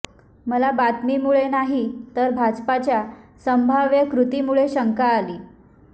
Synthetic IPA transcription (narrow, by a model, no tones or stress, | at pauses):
məlabat̪miːmuɭenaɦit̪əɾbʱad͡zpat͡ɕjasəmbʱaʋjəkɾut̪imuɭeɕəŋkaːliː